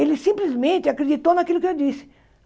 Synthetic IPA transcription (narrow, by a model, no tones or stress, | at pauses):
elɪsĩmplizmẽnt̪ɪakɾed͡ʒit̪ownakilʊkɪewd̪isɪ̥